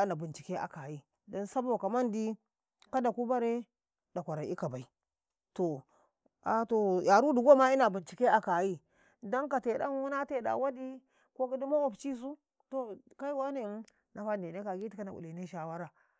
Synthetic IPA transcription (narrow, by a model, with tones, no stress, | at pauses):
na˨bi˨nt͡ʃi˨ke˦a̰˨ka˨ji˦ | do˦nsa˦bo˨ka˨ma˦ndi˦ | ka˦da˨ku˦ba˦ɾe˦ | da˨kʷa˨ɾa˨i˦ka˨ba˨i˨ | to˨ | a˨to˨ja˨ɾu˦du˨ɡo˦ma˦i˦na˨bu˨nt͡ʃi˨ke˦a˨ka˨ji˦ | do˦ŋka˨te˨da̰˦n˦wu˦na˦te˦da̰˨wa˦di˦ | ko˦ki˦di˦mo˦o˨pt͡ʃi˦s̬u˦ | to˦ | ka˦i˦wa˦ne˦ | nʔa˨fa˦n˨de˨ne˦ka˨ɡi˦ti˨˦ka˦na˨ʔṵ˨li˨ne˦ʃa˨wa˦ɾa˨